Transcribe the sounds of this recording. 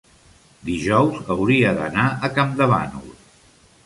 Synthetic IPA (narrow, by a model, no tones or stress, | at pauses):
d̪iʒɔwzəwɾiəðə̰naʔəkamd̪əβa̰nṵl